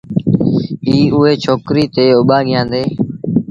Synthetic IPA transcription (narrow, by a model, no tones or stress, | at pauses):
iːʊɦeːt͡ʃʰoːkɾiːt̪eːʊɓaːɠɪjãːnd̪eː